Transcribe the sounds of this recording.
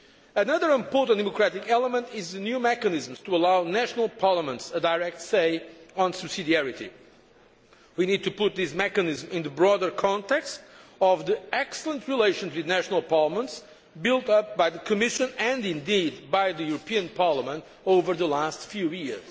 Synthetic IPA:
ənʌðə˞ɪ̃mpɔɹtə̃ntd̪ɛmɔkɹætɪkɛlˠəmə̃ntɪzðɨnjumɛkɨnɪzm̩z̥tuəlawnæʃnəl̩ˠpʰɑɹləmə̃ntsədaɪɹɛk̚tseɪə̃nsɨb̥sidiɛɹitḭ | winid̪̚t̪ʰupʊt̪̚ðɪsmɛkɨnɪzmɪ̃nðəbɹɔdə˞kʰɑ̃nt̪ɛkstɔvðiɛksəlˠə̃ntʰɹileɪʃɨ̃nzwiðnæʃnəlˠpɑɹləmə̃nts | bɪlˠt̪ʌp̚bajðɨkʰɨmɪʃɨ̃nɨ̃nɪ̃ndid̪bajðɨjuɾpiɨ̃npʰɑɹləmə̃nt | oʊvə˞ðəlastfjujiɹz̥

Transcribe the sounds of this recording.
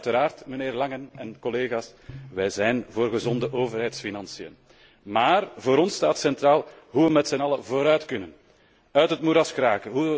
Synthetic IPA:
təɾaːrtməneːrlɑŋənɛnkɔleːɣaːsʋɛjzɛjnvoːrɣəzɔndəʔoːvərɦɛjtsfinɑnsijə̰n | maːrvoːɾɔnstaːtsɛntraːlˠɦuʋəmɛtsɛnɑləvoːɾœɥtkɵnən | œɥtɦətmuɾɑskraːkəɦu

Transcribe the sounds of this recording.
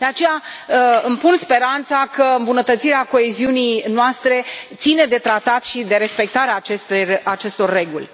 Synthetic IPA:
d̪̥e̞at͡ʃe̞jaɨmpunspe̞ɾant̪sakəɨmbunət̪ət̪siɾeako̞eziunijnoast̪ɾe̞t̪sine̞d̪e̞t̪ɾat̪at̪ʃid̪e̞ɾe̞spe̞k̚t̪aɾeaːt͡ʃest̪erʲat͡ʃe̞st̪o̞rːe̞ɡulʲ

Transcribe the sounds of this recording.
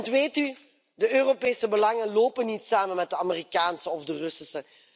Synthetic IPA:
ntʋeːty | dəøːropeːsəbəlɑŋənloːpənitsaːmənmɛt̚dəamerikaːnsəɔvdərɵsəsə

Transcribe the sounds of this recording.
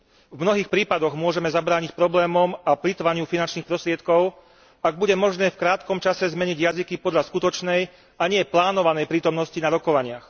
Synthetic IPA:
vmnɔɦiːxpɾiːpad̪ɔɣmʊɔʒɛmɛzabɾaːɲicpɾɔblɛːmɔmaplit̪ʋaɲɪufinant͡ʃniːxpɾɔst̪ɾɪɛt̪kɔʊ | aɡ̚buɟɛmɔʒnɛːfkɾaːt̪kɔmt͡ʃasɛzmɛɲiɟjazikipɔd̪ʎaskut̪ɔt͡ʃnɛj | aɲɪɛplaːnɔʋanɛjpɾiːt̪ɔmnɔscinaɾɔkɔʋaɲɪax

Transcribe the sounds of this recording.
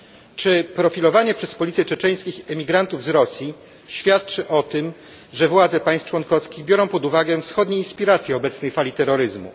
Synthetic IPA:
t͡ʂɘpɾɔfʲilɔvaɲɛpʂɛspɔlʲit̪sʲjɛt͡ʂɛt͡ʂɛj̃skʲixɛmʲiɡɾant̪uvzɾɔsʲji | ɕfʲjat̪̚t͡ʂɘʔɔt̪ɘm | ʐɛvwad̪zɛpaj̃st͡ʂwɔŋkɔfskʲiɣbʲjɔɾɔ̃w̃pɔd̪uvaɡɛfsxɔd̪ɲeinspʲiɾat̪sʲjɛɔbɛt̪snɛjfalʲit̪ɛɾːɔɾɘzmṵ

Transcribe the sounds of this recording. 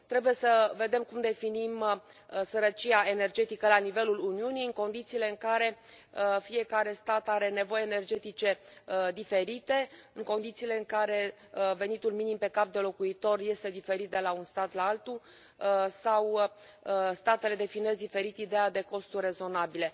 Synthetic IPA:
t̪ɾe̞buje̞səve̞d̪e̞mkumd̪e̞finim | səɾət͡ʃiaʔe̞ne̞rd͡ʒe̞t̪ikəlanive̞luluniunijɨŋko̞nd̪it̪siːle̞ɨŋkaɾe̞ | fie̞kaɾe̞st̪at̪aɾe̞ne̞vo̞jene̞rd͡ʒe̞t̪it͡ʃe̞d̪ife̞ɾit̪e̞ɨŋko̞nd̪it̪siːle̞ɨŋkaɾe̞ | ve̞nit̪ulminimpe̞kap̚d̪e̞lo̞kuit̪o̞rje̞st̪e̞d̪ife̞ɾit̪̚d̪e̞launst̪at̪laalt̪u | saw | st̪at̪e̞le̞d̪e̞fine̞zd̪ife̞ɾit̪id̪ead̪e̞ko̞st̪urʲrːe̞zo̞nabile̞

